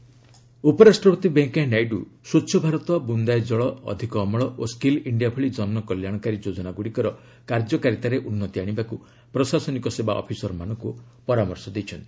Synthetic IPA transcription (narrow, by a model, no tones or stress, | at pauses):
upɔɾasʈɾɔbɔt̪ibeŋkanajɖusutːʃʰɔbʱaɾɔt̪ɔbund̪ajd͡ʒɔɭɔɔ̰d̪ʱikɔːmɔɭɔʔoskiliɳɖiapʰɔɭid͡ʒɔnmɔkɔljaɽ̃ɔkaɾid͡ʒod͡ʒɔnaɡuɽikɔɾɔ | kaɾd͡ʒɔkaɾit̪aɾeʔunːɔt̪iaɽ̃ibaku | pɾɔsasɔnikɔseba̰ʔɔ̰pʰisɔɾɔmanɔŋku | pɔɾamɔɾsɔd̪ejt͡ʃʰɔnt̪i̥